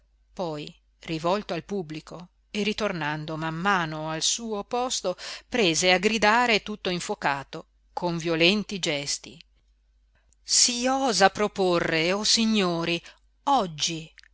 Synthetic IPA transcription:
pɔj | rivɔlt̪oalpubːliko | erit̪ornand̪omamːaːnoalsuːopɔst̪opɾeːzeaɡɾid̪aːɾet̪ut̪ːoiɱfokaːt̪o | kʰoɱvjolɛnt̪id͡ʒɛst̪ḭ | siɔːzapɾoporːeosiɲːoːɾi | ɔd͡ʒːi

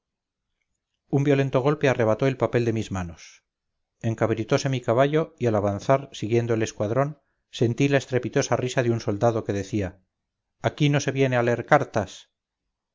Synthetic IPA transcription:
umbjole̞nt̪o̞ɣ̞o̞lpe̞are̞β̞at̪oe̞lpape̞ld̪e̞mizmano̞s | e̞ŋkaβɾit̪o̞se̞mikaβ̞aʎo̞ialaβanθaɾsiɣje̞nd̪oele̞skwaðɾo̞n | se̞nt̪ilaest̪ɾe̞pit̪o̞sarisaðeunso̞ld̪aðo̞ke̞ðe̞θiaː | kino̞se̞βje̞nealeeɾkaɾt̪as

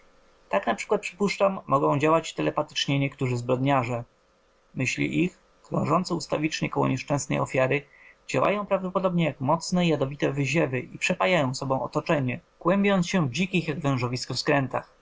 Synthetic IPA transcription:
t̪aknapʂɘ̥kwat̪̚pʂɘpuʂt͡ʂamːɔɡɔ̃w̃d͡ʑawat͡ɕt̪ɛlɛpat̪ɘ̥t͡ʂɲɛɲɛkt̪uʐɘzbɾɔd̪ɲaʐɛ | mɘɕlʲḭʔix | kɾɔ̰̃ʐɔnt̪sɛust̪a̰vʲit͡ʂɲɛkɔwɔ̰ɲɛʂt͡ʂɛ̃w̃snɛ̰jɔfʲjaɾɘ | d͡ʑawa̰jɔ̃w̃pɾavd̪ɔpɔd̪ɔbɲɛjakmɔt̪snɛijad̪ɔvʲit̪ɛvɘʑɛvɘʔipʂɛpajajɔ̃w̃sɔbɔ̃w̃ɔ̰t̪ɔt͡ʂɛɲɛkwɛmbʲjɔnt̪sɕɛvd͡ʑikʲixjaɡvɛ̃w̃ʐɔvʲiskɔfskɾɛnt̪a̰x

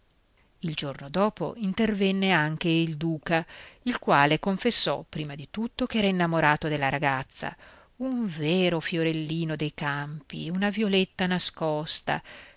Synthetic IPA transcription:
ild͡ʒornod̪ɔːpo̰int̪ervɛnːeaŋk̟eild̪uːkailkwaːlekoɱfesːɔpːɾiːmad̪it̪ut̪ːok̟ɛːɾainːamoɾaːt̪od̪elːaɾaɡat̪sːa̰ | uɱveːɾofjoɾelːiːnod̪ejkampḭunavjolet̪ːanaskɔst̪a̰

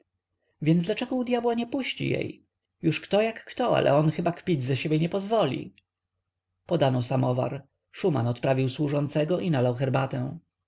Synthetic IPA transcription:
vʲjɛnd̪zd̪lat͡ʂɛɡɔud̪ʲjabwaɲɛpuɕt͡ɕḭjɛ̰j | juʂkt̪ɔjakːt̪ɔa̰lʔɛ̰ɔnxɘbakpʲizaɕebʲjeɲɛpɔzvɔlʲḭ | pɔd̪anɔsamɔva̰ɾ | ʂumanɔt̪pɾavʲiwswuʐɔnt̪sɛɡɔʔinalawxɛɾbat̪ɛw̃

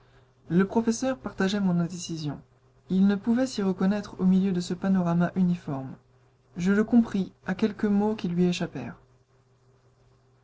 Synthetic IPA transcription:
ləpχɔfesœʁpaʁt̪aʒɛmɔ̃nɛ̃d̪esizjɔ̃ | ilnəpuvɛsiʁəkɔnɛt̪χomiljød̪əsəpanɔʁamaʔynifɔʁm | ʒələkɔ̃pχiakʲɛlkəmokʲilɥieʃapɛ̰ːʁ

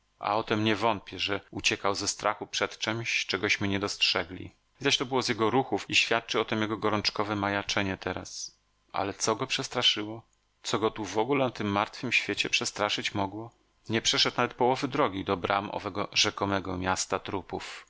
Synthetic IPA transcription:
a̰ɔt̪ɛmɲɛvɔnt̪̚pʲjɛʐɛut͡ɕɛkawzɛst̪ɾʔaxupʂɛt̪t͡ʂɛmɕt͡ʂɛɡɔɕmɘɲɛd̪ɔstʂɛɡlʲḭ | izaɕt̪ɔbɘwɔzjɛɡɔɾuxufiɕfʲjat̪̚t͡ʂɨɔt̪ɛmjɛɡɔɡɔɾɔnt͡ʂkɔvɛmajat͡ʂɛɲɛt̪ʰɛɾa̰s | ʔa̰lɛt̪sɔɡɔpʂɛst̪ɾaʂɘwɔ | t̪sɔɡɔt̪uvɔɡulɛnat̪ɘmːaɾt̪fɘmɕfʲjet͡ɕɛpʂɛst̪ɾaʂɘt͡ɕmɔɡwɔ | ɲɛpʂɛʂɛt̪̚navɛt̪̚pɔwɔvɘd̪ɾɔɡʲid̪ɔbɾʔa̰mɔ̰vɛɡɔʐɛkɔmɛɡɔmʲjast̪at̪ɾupuf

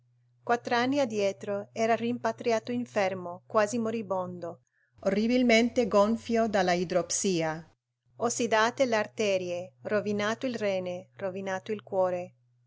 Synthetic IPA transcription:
kwat̪ːɾanːiad̪jɛːt̪ɾoɛːɾarimpat̪ɾijaːt̪oiɱfɛrmokwaːzimoɾibond̪o | orːibilment̪eɡoɱfjod̪alːaid̪ɾopsiːa | osid̪aːt̪eleart̪ɛːɾjerovinaːt̪oilrɛːnerovinaːt̪oilkwɔːɾe

